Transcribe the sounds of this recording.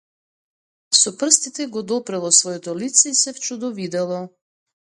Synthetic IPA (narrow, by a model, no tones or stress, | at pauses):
sɔpr̩st̪it̪ɛɡɔd̪ɔpɾɛlˠɔsvɔjɔt̪ɔlit̪sɛisɛft͡ʃud̪ɔvid̪ɛlˠɔ